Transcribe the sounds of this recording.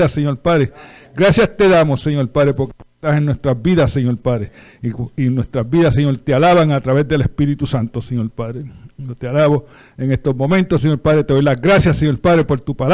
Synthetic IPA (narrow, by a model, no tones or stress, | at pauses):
aseɲo̞ɾpaðɾeɡɾasjast̪e̞ðamosːe̞ɲo̞ɾpaðɾepo̞ɾket̪ase̞ŋnwe̞st̪ɾazbiðaseɲo̞ɾpaðɾe | inwe̞st̪ɾazbiðasːeɲo̞ɾt̪ealaβaŋat̪ɾaβe̞zd̪e̞le̞spiɾit̪usant̪oseɲo̞lpaðɾejot̪ealaβo | eŋe̞st̪ozmõ̞mẽnt̪osːeɲo̞ɾpaðɾet̪eðojlazɡɾasjaseɲo̞ɾpaðɾe̞po̞ɾt̪upal